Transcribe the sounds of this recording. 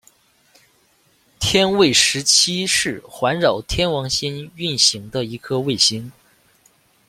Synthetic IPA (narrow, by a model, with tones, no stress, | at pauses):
t̪ʰjɛ˥nwe˥˩ɪʂɻ̩˧˥t͡ɕʰi˥ʂɻ̩˥˩xwa˧˥nɻɑ˨˩ʊt̪ʰjɛ˥nwɑ˧˥ŋɕi˥ny˥˩nɕi˧˥ŋd̪ə˧i˧˥kʰɤ˥we˥˩ɪɕi˧˥ŋ